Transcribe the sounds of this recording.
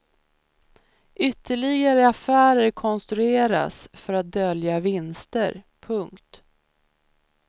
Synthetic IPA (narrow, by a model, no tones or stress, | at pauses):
ʔʏt̪ʰːəɭɪɡaɾəafæːɾəɾkʰɔnst̪ɾɵeːɾa̰sfœɾat̪̚d̪œljavɪnst̪əɾ | pʰɵŋkt̪